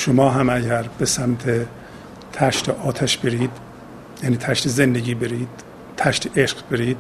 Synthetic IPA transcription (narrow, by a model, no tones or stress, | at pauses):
ʃomɒːɦæmæɟæɾb̥esæmt̪ʰe | t̪ʰæʃt̪ʰeʔɒːt̪ʰæʃbe̞ɾiːd̪ | jæːniːt̪ʰæʃt̪ʰezend̪eɟiːbeɾiːd̪̥ | t̪ʰæʃt̪ʰeʔeʃɡbe̞ɾiːd̪̥